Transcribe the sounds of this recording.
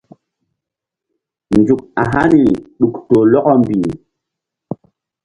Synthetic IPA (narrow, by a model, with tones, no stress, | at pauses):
nd͡ʒu˨k̚a˨ɦa˦ni˨ɗu˨kto˨lɔ˦kɔ˦mbi˨